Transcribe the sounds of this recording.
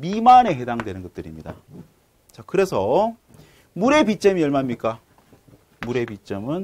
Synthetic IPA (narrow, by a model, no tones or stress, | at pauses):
mimane̞ɦe̞daŋdwe̞nɯnɡʌt̚t͈ɯɾimɲida̰ | t͡ɕakɯɾe̞sʰʌ | muɾe̞pit͡ɕ͈ʌmiʌɭmamɲik͈a | muɾe̞pit͡ɕ͈ʌmɯn